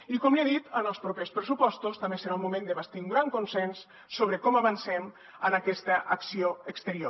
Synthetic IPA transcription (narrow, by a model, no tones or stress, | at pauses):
ikɔmliaðit̪ənəlˠspɾopespɾəsupɔst̪ust̪ambesəɾaumumẽnd̪əβast̪iuŋɡɾaŋkunsɛnsː | oβ̞ɾəkɔməβənsɛm | ənakɛst̪əʔɐksioəkst̪əɾio